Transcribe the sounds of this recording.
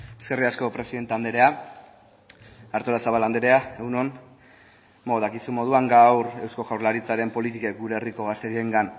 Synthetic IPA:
eske̞riasko̞pɾe̞siðe̞nt̪eand̪eɾe̞a | aɾt̪o̞lasaβaland̪eɾe̞aewno̞n | moðakisumo̞ð̞uaŋɡawɾe̞wsko̞ʝawɾlaɾit͡saɾe̞mpo̞lit̪ike̞k̚ɡuɾe̞ːriko̞ɣ̞ast̪e̞ɾieŋɡan

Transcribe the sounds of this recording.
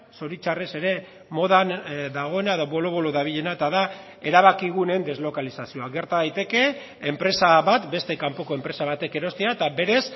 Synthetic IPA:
so̞ɾit͡ʃarese̞ɾe̞ | mo̞ðanðaɣ̞o̞e̞naeðo̞βo̞lo̞βoloðaβ̞iʎe̞naet̪aða | eɾaβakiɣ̞une̞nd̪e̞zlo̞kalisasio̞aɡe̞ɾt̪aðajt̪e̞ke̞ː | mpɾe̞saβat̪be̞st̪e̞kampo̞ko̞e̞mpɾe̞saβ̞at̪e̞ke̞ɾo̞st̪eaet̪abe̞ɾe̞s

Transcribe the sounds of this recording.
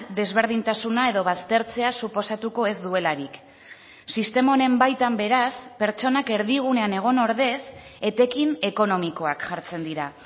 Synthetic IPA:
d̪e̞zβe̞ɾð̞int̪asunae̞ðo̞βast̪e̞ɾt͡se̞asupo̞sat̪uko̞e̞zd̪ue̞laɾik | sist̪e̞mone̞mbajt̪ambe̞ɾaspe̞ɾt͡ʃo̞nake̞ɾðiɣ̞une̞aneɣ̞o̞no̞ɾðe̞se̞t̪e̞kine̞ko̞no̞miko̞akʝaɾt͡se̞nd̪iɾa

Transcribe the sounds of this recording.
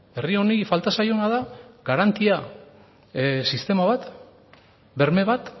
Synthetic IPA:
e̞rio̞nifalt̪asajo̞naðaɡaɾant̪ia | sist̪e̞maβat̪ | be̞ɾme̞βat̪

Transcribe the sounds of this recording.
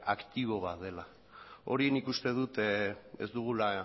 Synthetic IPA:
akt̪iβ̞o̞βat̪ðe̞la | o̞̰ɾienikust̪e̞ð̞ut̪e̞̰zd̪uɣ̞ula

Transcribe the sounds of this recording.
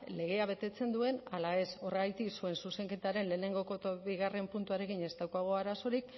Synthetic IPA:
le̞ɣ̞e̞aβe̞t̪e̞t͡se̞nd̪ue̞nalae̞so̞reɣajt̪isue̞nsuse̞ŋke̞t̪aɾe̞nle̞ːne̞ŋɡo̞kot̪oβiɣ̞are̞mpunt̪uaɾe̞kiɲe̞st̪awkoaɣ̞o̞aɾaso̞ɾik̚

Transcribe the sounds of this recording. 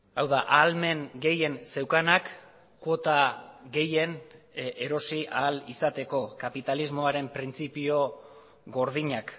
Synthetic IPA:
awðaʔalme̞ŋɡe̞je̞nse̞wkanakː | wo̞t̪aɣe̞je̞neɾo̞siʔaːlisat̪e̞ko̞kapit̪alizmo̞aɾe̞mpɾint͡sipio̞ | ɣo̞ɾð̞iɲak

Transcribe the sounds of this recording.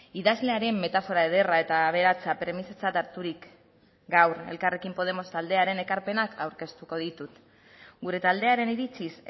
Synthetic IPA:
iðazle̞aɾe̞mːe̞t̪afo̞ɾaeð̞e̞rae̞t̪aːβ̞e̞ɾat͡sapɾe̞miset͡sat̪aɾt̪uɾik | ɡawɾe̞̰lkare̞kimpo̞ð̞e̞mo̞st̪ald̪e̞aɾe̞ne̞kaɾpe̞nakʰawɾke̞st̪uko̞ð̞it̪ut̪ | ɡuɾe̞t̪ald̪e̞aɾe̞niɾit͡sis

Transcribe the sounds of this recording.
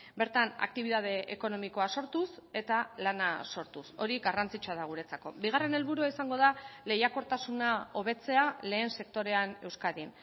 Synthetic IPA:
be̞ɾt̪ana̰k̚t̪iβ̞iðað̞e̞ʔeko̞no̞miko̞aso̞ɾt̪use̞t̪alanaso̞ɾt̪uso̞ɾiɣarant͡sit͡ʃuaðaɣ̞uɾe̞t͡sako̞̰biɣ̞are̞ne̞lβuɾuaisaŋɡo̞ð̞ale̞jako̞ɾt̪asunao̞β̞e̞t͡se̞ale̞ːnse̞k̚t̪o̞ɾe̞ane̞wskaðin

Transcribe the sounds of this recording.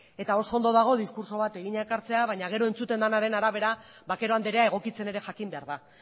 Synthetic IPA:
e̞t̪ao̞so̞ond̪o̞ðaɣ̞o̞ðiskuɾso̞β̞at̪e̞ɣiɲekaɾt͡se̞aβ̞ajɲaɣ̞e̞ɾo̞e̞nt͡sut̪e̞nd̪anaɾe̞naɾaβe̞ɾa | βake̞ɾo̞and̪eɾeae̞ɣ̞o̞kit͡se̞ne̞ɾe̞ʝakimbe̞aɾða

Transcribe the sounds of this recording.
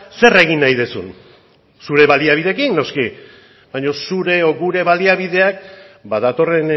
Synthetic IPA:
se̞re̞ɣ̞inːajðesṵn | suɾe̞βaliaβiðe̞kinno̞ski | bajɲo̞suɾe̞oɣuɾe̞βaliaβiðe̞ak̚baðat̪o̞re̞n

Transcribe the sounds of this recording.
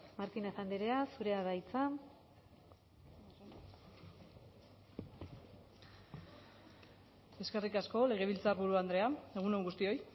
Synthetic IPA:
maɾt̪ineθand̪eɾeasuɾe̞aðajt͡sa | e̞ske̞rikasko̞le̞ɣ̞e̞βilt͡saɾβuɾuand̪ɾe̞ae̞ɣ̞unoŋɡust̪io̞j

